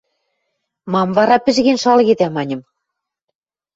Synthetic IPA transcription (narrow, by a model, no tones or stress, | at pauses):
mɑmvɑɾɑpɘ̆ʒɣenʃɑlɣed̪æmɑnʲɤ̆m